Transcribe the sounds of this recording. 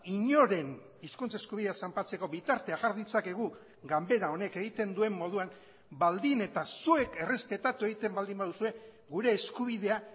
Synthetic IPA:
iɲo̞ɾe̞n | iskunt͡seskuβiðe̞asampat͡se̞ko̞βit̪aɾt̪e̞aʝaɾðit͡sake̞ɣu | ɡambe̞ɾao̞ne̞ke̞ɣ̞it̪e̞nd̪ue̞mːo̞ð̞uaŋ | bald̪ine̞t̪asue̞ke̞re̞spe̞t̪at̪ue̞ɣ̞it̪e̞mbald̪imbaðusue̞ | ɡuɾe̞ːskuβiðe̞a

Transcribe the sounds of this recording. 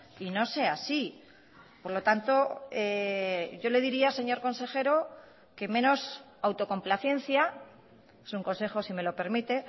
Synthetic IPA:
ino̞se̞asi | po̞ɾlo̞t̪ant̪o̞eʝo̞le̞ð̞iɾiase̞ɲo̞ɾko̞nse̞xe̞ɾo̞ | ke̞mẽ̞no̞s | awt̪o̞ko̞mplaθje̞n̟θja | esuŋko̞nse̞xo̞sime̞lo̞pe̞ɾmit̪e̞

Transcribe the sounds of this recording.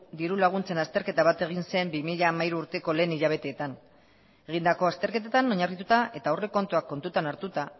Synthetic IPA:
d̪iɾulaɣ̞unt͡se̞nast̪e̞ɾke̞t̪aβ̞at̪e̞ɣ̞inse̞mbimiʎaːmaiɾuːɾt̪e̞ko̞le̞ːniʎaβ̞e̞t̪e̞ːt̪an | e̞ɣ̞ind̪ako̞ast̪e̞ɾke̞t̪et̪ano̞ɲarɣit̪ut̪aʔe̞t̪aore̞ko̞nt̪uakːo̞nt̪ut̪anaɾt̪ut̪a

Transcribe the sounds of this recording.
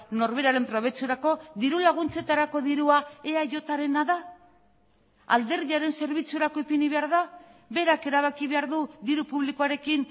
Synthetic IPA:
no̞ɾβe̞ɾaɾe̞mpɾo̞βe̞t͡suɾako̞ðiɾulaɣ̞unt͡se̞t̪aɾako̞ðiɾuae̞aʝo̞t̪aɾe̞naða | a̰ld̪e̞ɾðiaɾe̞nse̞ɾβit͡sue̞ɾako̞epiniβe̞aɾðaβe̞ɾake̞ɾaβ̞akiβe̞aɾðuðiɾupuβlikoaɾe̞kin

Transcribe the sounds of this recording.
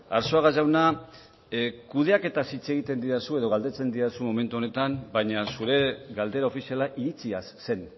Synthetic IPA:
aɾso̞aɣazawna | kuð̞e̞ake̞t̪asit͡se̞ɣ̞it̪e̞nd̪iɾasue̞ðo̞ɣald̪e̞t͡se̞nd̪iɾasumo̞me̞nt̪uo̞ne̞t̪ambajɲasuɾe̞ɣald̪e̞ɾao̞fisialaʔiɾit͡siasːe̞n

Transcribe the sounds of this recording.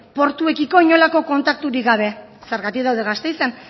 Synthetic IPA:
po̞ɾt̪ue̞kiko̞iɲo̞lako̞ko̞nt̪ak̚t̪uɾiɡaβ̞e̞ | seɾɣat̪ikðawðeɣast̪e̞jsen

